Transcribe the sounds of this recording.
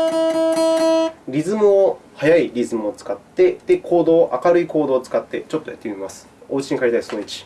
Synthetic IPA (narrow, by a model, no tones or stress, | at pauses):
ɾʲizɨmɯohajaiɾʲizɨmɯot͡sɨ̥kat̪ːe̞d̪̥e̞kʰo̞ːd̪o̞ːʔakaɾɯ̟iko̞ːd̪o̞ːt͡sɨ̥kat̪ːe̞t͡ɕo̞t̪ːo̞jat̪ːemʲimasɨ̥o̞ɯ̟t͡ɕiɲ̟ikaɾʲit̪aisonoit͡ɕi̥